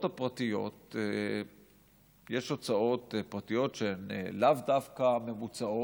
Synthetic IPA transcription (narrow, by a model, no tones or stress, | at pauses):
thapʁatijo̞te | jeʃot͡sao̞t̪pʁat̪ijo̞tʃenḛlavdafkame̞mut͡sao